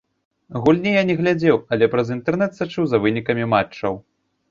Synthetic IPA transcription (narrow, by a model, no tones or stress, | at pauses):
ɣulʲnʲɛjanʲɛɣlʲad͡zʲɛwɐlʲɛpɾɐzint̪ɛrnɛt̪sat͡ʂɨwzɐvɨnʲikɐmʲimat͡ʂːɐw